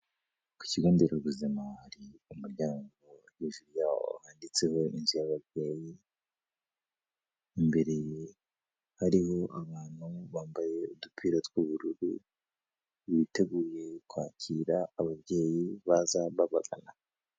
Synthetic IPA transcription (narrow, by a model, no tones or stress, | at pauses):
ku̥ciɡuːndeɾoβuzimahaɾiumuɾɟaːŋɡo̞jiʒuɾjaːho̰haːndit͡se̞ho̞inzujaβaβje̞ːji | mbe̞ɾe̞je | haɾiho̞ʔaβaːn̥huβaːmbaje̞udupʰiɾotwuβuɾuɾṵ | βite̞ɡuːje̞kwaːcʰiːɾaːβaβɟe̞ːjiβazaβaβaɡana